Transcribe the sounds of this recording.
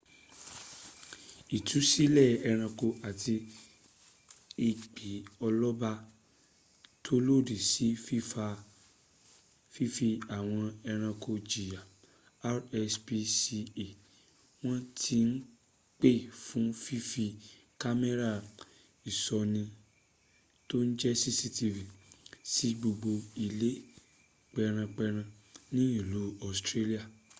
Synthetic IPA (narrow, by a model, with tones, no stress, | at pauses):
i˨tʰu˨˦si˦lɛ˦˨ɛ˧ɾ̃ã˧ko˧ʔa˨ti˧ | i˧k͡pe˨˦ɔ˧lɔ˦ba˧ | tʰo˦lo˦˨di˨si˨˦fi˦fa˧ | fi˦fi˧a˨w̃ɔ̃˧ɛ˧ɾ̃ã˧ko˧d͡ʒi˨ja˨ | a˦ɾɛ˧spi˧si˧e˨ | w̃ɔ̃˦tʰi˧n̩˦ | k͡pe˦˨fũ˨˦fi˦fi˧ | ka˦mɛ˦ɾa˦˨ | i˨sɔ˧nĩ˧ | to˦n̩˦d͡ʒɛ˦si˦si˦ti˧vi˨si˦ɡ͡bo˧ɡ͡bo˧i˧le˦ | k͡pɛ˧ɾ̃ã˧k͡pɛ˧ɾ̃ã˧ | nĩ˦i˦˨lu˨˦ɔ˦˨stɾe˦li˦a˦˨